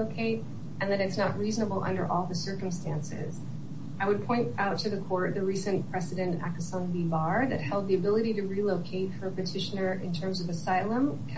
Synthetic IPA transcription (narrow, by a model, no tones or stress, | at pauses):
oʊkʰeɪɾ | ɨ̃nðɨnɨtsnəʔ̚ɹiznəbl̩ˠʔʌ̰̃ndə̰˞ʔɔlˠðɨsɜ˞kə̃m̩stæ̃nsɪ̰z̥ | aɪwɨd̚pʰɔ̃ɪ̃ntaʊtʰɨðɨkʰɔɹt̪̚ðɨɹisɨ̃npʰɹ̥ɛzɨɾɨ̃ntæ̰kɨsɑ̃nbibɑɹðɨ̰t̚hɛlˠd̪̚ðiɨbɪlˠɨɾiɾɨɹiloʊkʰeɪtfə˞ɨpɨtʰɪʃɨnə˞ʔɨ̰̃ntʰɜ̃˞mzʌvɨsaɪlˠə̃mkʰ